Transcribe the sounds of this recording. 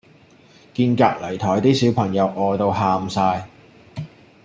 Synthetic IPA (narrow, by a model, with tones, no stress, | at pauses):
kiː˧nkaː˧k̚lɐ˨˩jt̪ʰɔː˨˩jt̪iː˥siː˨˥wpʰɐ˨˩ŋjɐ˨˧wʔɔː˧jt̪o˧wɦaː˧msaː˧j